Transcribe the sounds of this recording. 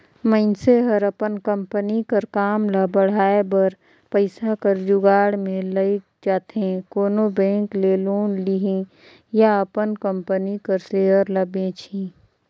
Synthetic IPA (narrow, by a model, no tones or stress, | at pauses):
məɪnseɦəɾəpənkə̃mpənikəɾkaːmlɐbəɽ̤aːebəɾ | pəɪsakəɾd͡ʒʊɡaːɽmẽləi | d͡ʒaːt̪ẽkoːnobɛ̃ːŋkleːloːnliɦẽ | jaəpənkə̃mpənikəɾseːɦəɾləbẽt͡ʃʰĩ